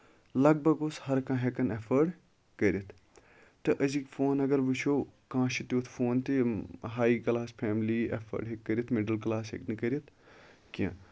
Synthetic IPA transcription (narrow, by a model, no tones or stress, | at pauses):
lɐɡ̚bʱɐɡoshɐɾkãːɦekɐnefʰəɾɖ | kɐɾit̪ʰ | t̪ːɨʔɐzikfʰoːnɐɡɐɾʋit͡ʃʰoːkãːʃit̪joːt̪ʰfʰoːnt̪iɦaːikɐlaːspʰeːmliḛfʰə̰ɾɖɦekːɐɾit̪ʰmeɖəlklaːshḛknɨkɐɾʲiit̪ʰ | kiã̰